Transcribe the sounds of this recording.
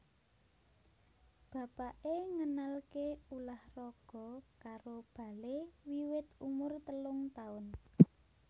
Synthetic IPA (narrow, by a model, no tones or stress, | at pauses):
b̥ä̤paʔeŋənalkeulahrɔɡ̥ɔ̤kaɾob̥a̤lewiwɪt̪umʊrt̪əlʊŋt̪aʊn